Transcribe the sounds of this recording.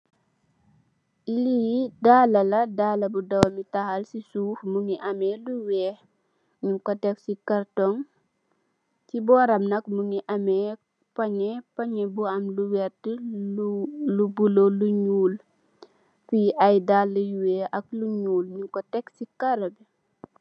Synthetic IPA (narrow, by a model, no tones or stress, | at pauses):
ilijidaːlɐlɐdaːlɐbudɐwmitɐhɐlsisuːfmuŋiʔɐmɛluwɛː | ɲiŋkɔtɛksikɐrtɔŋ | tibɔːɾɐmnɐkmuŋiʔɐmɛː | pɐɲɛpɐɲɛbuɐmluwɛrtə | lubuloluɲuːl | fiʔɐjdalːəjuwɛːɐk̚luɲuːlɲiŋkɔtɛksikɐɾɐbi